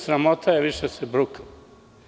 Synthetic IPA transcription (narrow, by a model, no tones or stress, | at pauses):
sɾamot̪ʰajeʋiʃesɛbɾukḁ